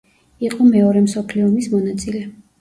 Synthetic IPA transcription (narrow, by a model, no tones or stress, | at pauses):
iqʼɔmɛɔɾɛmsɔpʰliɔmismɔnat̪sʼilɛ